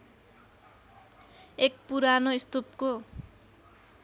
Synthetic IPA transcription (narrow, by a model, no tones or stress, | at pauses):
ek̚puɾanoist̪upko